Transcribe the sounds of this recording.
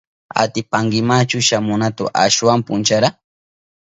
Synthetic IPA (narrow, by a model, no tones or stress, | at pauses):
a̰t̪ɪpaŋɡɪmat͡ʃʊʃamʊnat̪ʊ̰ʔaʃwampʊnt͡ʃaɾa